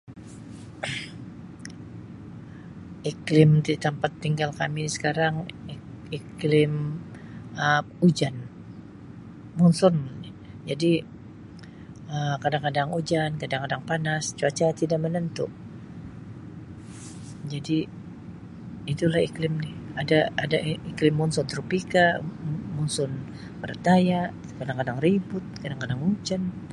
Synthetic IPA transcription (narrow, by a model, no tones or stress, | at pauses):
iklɪmt̪it̪ampat̪ːiŋɡalkamisə̥kaɾaŋ | iklɪm | ə | ud͡ʒan | munsʊn | d͡ʒadi | əmkadaŋkadaŋud͡ʒankadaŋkadaŋpanast͡ʃuat͡ʃat̪idaʔ̚mənənt̪ṵʔ | d͡ʒadi | it̪ulahiklɪmnɪhadaadaiklɪmːɔnsɔnt̪ɾupikamunsʊn | pərt̪aja | kadaŋkadaŋribʊt̪̚kadaŋkadaŋud͡ʒan